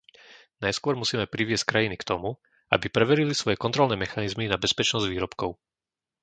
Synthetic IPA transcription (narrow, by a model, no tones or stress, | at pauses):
najskʊɔɾmusiːmɛpɾiʋɪɛsc̚kɾajinikt̪ɔmu | ʔa̰bipɾɛʋɛɾilisʋɔjɛkɔnt̪ɾɔlnɛːmɛxanizminabɛspɛt͡ʃnɔzɟʋiːɾɔpkɔʊ